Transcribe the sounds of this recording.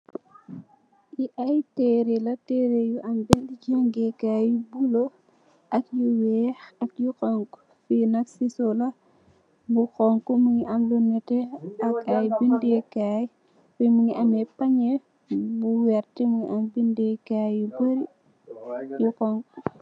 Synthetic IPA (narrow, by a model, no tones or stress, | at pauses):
iʔɐjtɛɾelɐtɛɾejuʔɐmbɛliɟaŋɡɛkajubulo | ʔɐkjuwɛːxɐkjukɔŋk | finɐksisɔlɐ | buxɔŋkɔmuŋiʔɐmlunːɛtɛɐkɐjbindekaːj | fimuŋiɐmɛpaɲe | buwɛɾtimuŋḭʔɐmbindɛkajjubəɾi | jukɔŋk